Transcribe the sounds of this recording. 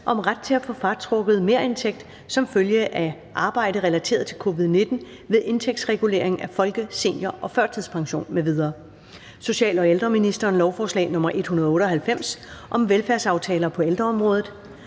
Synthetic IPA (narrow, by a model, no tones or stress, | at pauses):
ʔɒ̽mʁad̥̚t͡sʰe̝æfɔ̽fɑ̈t͡sʰʁɔ̽ɡ̥əð̞̩ˠme̝ɐ̰e̝nt͡sʰeɡ̥̚d̥ | sɒ̽mføljəʔæ | ʔɑ̈ːb̥ɑ̈ɪ̰ɾ̥əʁɛlæt͡sʰe̝̰ːɐð̞ˠt͡sʰe̝lkʰo̝ːʋið̞ˠne̝d̥n̩ | ʋeðˠʔe̝nt͡sʰeɡ̥̚sʁɛɡ̥ule̝̰ɐ̰eŋæfɒ̽lɡ̥əse̝njɐʔɒ̽fɶɐ̰t͡sʰið̰ˠspʰɑ̈ŋɕo̝̰ːnmeʋið̞ˠɐː | so̝ɕɛ̰ːlɒ̽eld̥ʁɐminisd̥ɐːnlɒʊfɒːslɛ̰ːnɔ̽mɐʔe̝d̥hunɐð̞ˠɔ̽ːɾ̥əɒ̽ɦælfem̰sʔɒ̽mʋelfæɐsɑ̈ʊt͡sʰɛːlɐpʰɒ̽eld̥ʁɐɒ̽mʁɔ̽ːð̞ˠð̩ˠ